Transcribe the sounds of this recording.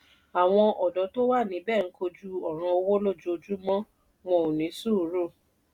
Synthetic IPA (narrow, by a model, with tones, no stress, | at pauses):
a˨w̃ɔ̃˧ʔɔ˨dɔ˨˦to˦wa˦˨nĩ˨˦bɛː˦˨n̩˨˦ko˧d͡ʒu˦ɔ˦˨ɾ̃ã˧o˧wo˦lo˦˨d͡ʒu˦o˧d͡ʒu˦mɔ̃˦ | mɔ̃˧˨u˨nĩ˨˦su˦˨˦ɾo˦˨